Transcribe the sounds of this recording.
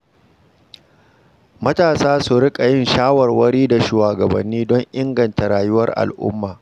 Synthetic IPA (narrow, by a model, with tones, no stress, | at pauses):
mɐ˦taː˨saː˦su˨ɾɪ˦kʼa˨jɪ˦˨nʃaː˦wɐ˨rwɐ˦ɽiː˦da˨ʃuː˨waː˨ɡɐ˨bɐ̰˨nːiː˦dɔ˦ŋʔɪ˦ŋɡɐ˨nta˨ɾaː˨jʊ˦wɐ̰˦rʔa̰˨lʔʊ̰˦mːaː˨